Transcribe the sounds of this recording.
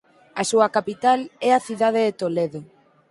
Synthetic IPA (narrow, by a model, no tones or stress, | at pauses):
asuɐkapit̪alɛaθiðað̞eðet̪oleðo